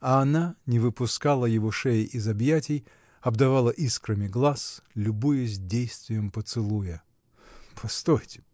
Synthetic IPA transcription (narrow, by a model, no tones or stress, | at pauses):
ɐːnanʲɪvɨpʊskalˠəjɪvoʂejʔizɐbjatʲɪj | ɐbd̪ɐvalˠəʔiskɾəmʲɪɡlˠaslʲʊbujʊzʲdʲejst̪vʲɪjəmpət̪sɨlˠujə | pɐst̪ojtʲɪ